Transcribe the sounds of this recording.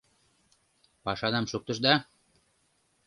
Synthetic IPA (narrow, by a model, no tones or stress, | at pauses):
pɑʃɑd̪ɑmʃuk̚t̪ə̆ʃd̪ɑ